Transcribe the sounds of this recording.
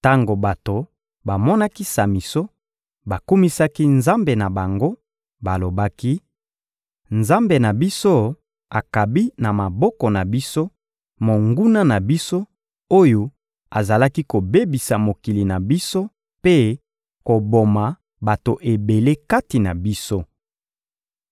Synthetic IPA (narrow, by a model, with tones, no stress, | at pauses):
ta˦ŋɡo˨ba˨to˨ | ba˨mɔ˦na˦ki˦sa˨mi˨so˦ | ba˨ku˦mi˦sa˦ki˦nza˦mbe˨na˨ba˨ŋɡo˦ | ba˨lo˨ba˦ki˦ | nza˦mbe˨na˨bi˦so˦ | a˨ka˨bi˦na˨ma˨bɔ˦kɔ˨na˨bi˦so˦ | mo˨ŋɡu˦na˦na˨bi˦so˦ | o˦jo˦ | a̰˨za˨la˦ki˦ko˨be˦bi˨sa˨mo˨ki˨li˨na˨bi˦so˦ | pe˦ | ko˨bo˨ma˨ | ba˨to˨ʔe˨be˨le˦ka˦ti˨na̰˨bi˦so˦